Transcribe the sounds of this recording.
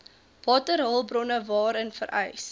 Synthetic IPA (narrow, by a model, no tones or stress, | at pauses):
vɑːtərɦəlˠbrɔnəvɑːɾənfə̰ɾʔɛ̰js